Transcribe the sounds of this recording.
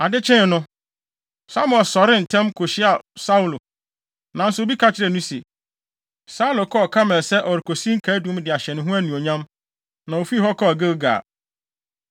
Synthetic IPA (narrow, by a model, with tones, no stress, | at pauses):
a˨dɪ˦t͡ɕʰɪ̃˦˨nʊ̃˦ | sa˦m˦ɔ˨sɔ˨ɾɪ˦n̩˨tʰɛ̃˦mkʰo˨ɕɪ˦a˨sa˦u˨lo˨ | nã˨n̩˦sʊ˨o˨bi˦kʰa˦t͡ɕʰɪ˦ɾɛ˨nũ˦se˨ | sa˦u˦lo˨kʰɔ˦ɔ˨kʰa˦mɛ̃˨lsɛ˦ʔɔ˨ɾɪ˨kʰo˨sĩ˦ŋ̩˦kʰæ˨˦dũ˨˦m˦dɪ˨a˨ɕɛ˨nɪ̃˨ɦʊ̃˦æ˦nũ˨o˨ɲã˦m | nã˨o˨fi˦˨ɦɔ˦kʰɔ˦˨ɡe˦ɡa̰ː˨